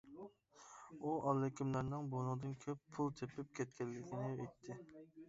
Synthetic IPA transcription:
uɑlːɪkʲimlæɾnɪŋbonʊʁd̪ɨnkʲʰøpʰːulˠt̪ʰepɪp̚kʲʰɛt̪̚kʲɛlːɪkʲinɪejt̪ʰːɪ

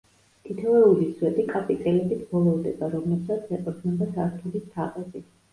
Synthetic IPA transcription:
t̪ʰit̪ʰɛvɛuliswɛt̪ʼikʼapʼit̪ʼɛlɛbit̪ʰbɔlˠɔvd̪ɛbaɾɔmlɛbsat̪sʰɛqʼɔɾʰnɛbad̪aɾt̪ʰulit̪ʰaqʼɛbi

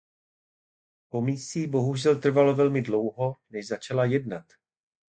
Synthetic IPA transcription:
po̞miːsiːbo̞ɦuʒɛlt̪r̩valo̞vɛlmɪdlo̞wɦo̞nɛʃzat͡ʃalajɛdnat̪

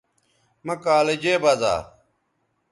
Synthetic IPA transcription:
mɐkaːled͡ʑeːbɐza̰ː

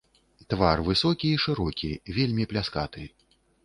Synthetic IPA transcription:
t̪varvɨsɔkʲiːʂɨɾɔkʲivʲelʲmʲiplʲaska̰t̪ɨ

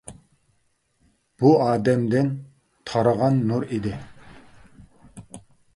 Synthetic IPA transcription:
b̥uɑːd̪ɛmd̪ɪn | t̪ʰɑɾəʁɑnːuɾid̪ɪ

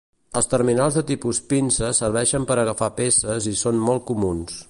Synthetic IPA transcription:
əlˠst̪ərminalˠzðət̪ipuspinsəsərβ̞ɛʃəmpəɾəɣəfapesəzisonmɔlˠt̚kumuns

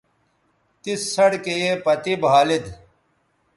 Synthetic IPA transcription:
t̪isːɐɽkejepɐt̪ibʱaːlid̪

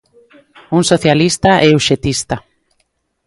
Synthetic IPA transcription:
uŋsoθjalist̪aʔɛuʃet̪ist̪a

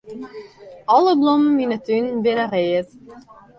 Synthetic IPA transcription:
ɔləblɔmənʋinətynbɪnəreːət

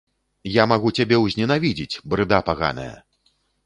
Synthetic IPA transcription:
jamaɣut͡sʲabʲɛwzʲnʲɛnavʲid͡zʲit͡sʲbɾɨd̪apaɣa̰nɐ̰jɐ̰

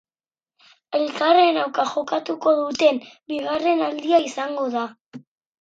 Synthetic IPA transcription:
e̞lkare̞nawkaʝo̞kat̪uko̞ðut̪e̞nbiɣare̞nald̪iaisaŋɡo̞ða

